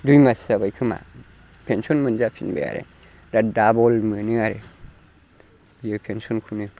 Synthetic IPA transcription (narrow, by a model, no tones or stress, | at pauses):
dujmasabajkʰɯma̰ | pʰensɔnmɯnzapʰinbḛja̰ɾḛ | ɾat̚dabɔlmɯnɯaɾe | bjɯpʰensɔnkʰunɯ